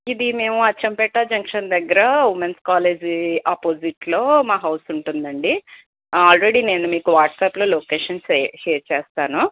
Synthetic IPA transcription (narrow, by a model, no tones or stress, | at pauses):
id̪ime̞ːmuɐt͡ʃːɐmpɛʈːaːd͡ʒɐŋkʂɐnd̪ɐɡːɐɾɐʋumenskaːle̞ːd͡ʒaːpoːsiʈlo̞ːmaːɦɐwsuɳʈund̪ɐɳɖi | aːlɾeɽiːne̞ːnumiːkuʋaːʈsaːplo̞ːloːkeːʂɐnsʃeːɾt͡ʃeːst̪aːnu